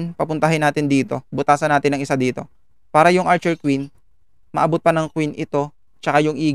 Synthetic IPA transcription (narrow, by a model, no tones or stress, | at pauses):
npɐpʊnt̪ɐɦɪnːaːt̪ɪnd̪iːt̪o̞bʊt̪aːsɐnaːt̪ɪnɐŋɪsad̪iːt̪o̞ | paːɾɐjʊŋʔaɾt͡ʃɛɹkwin | mɐ̰ʔɐbʊt̪̚pɐnɐŋkwinʔɪt̪o̞ | t͡ʃɐkajʊŋʔiːɡ